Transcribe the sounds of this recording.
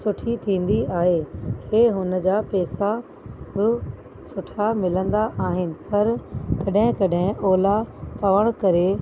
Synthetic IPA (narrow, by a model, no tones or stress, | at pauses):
sʊʈʰit̪ʰĩːn̆d̪iaːɦeːkeːɦʊnəd͡ʑaːpɛːsa | bɪ | sʊʈʰamɪlə̃nd̪aʔaːɦɪnɪ̆pɐɾkɐɗɦɪ̃kɐɗɦɪ̃ʔoːlapɐʋəɽ̃kɐɾe